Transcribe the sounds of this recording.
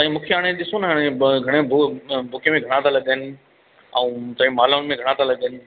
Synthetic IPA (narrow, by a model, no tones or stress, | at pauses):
t̪ɐĩmũːkʰeaːɽ̃eɗɪsonɦaːɽ̃eɡʱɐɽ̃ebʱukemẽɡʱɐɽ̃ãt̪ʰalɐɠəənɪ̆ | ɛ̃ũːt̪ɐ̃ɦĩmaːlaʊnmẽɡʱɐɽ̃ãt̪ʰalɐɠəənɪ̆